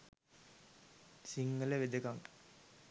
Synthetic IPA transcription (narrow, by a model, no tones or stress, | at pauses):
siŋːələʋed̪əkaŋ